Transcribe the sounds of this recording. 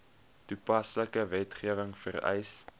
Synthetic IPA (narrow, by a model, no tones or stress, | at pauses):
tupɐsləkəvɛtχiəvəŋfərɛ̰js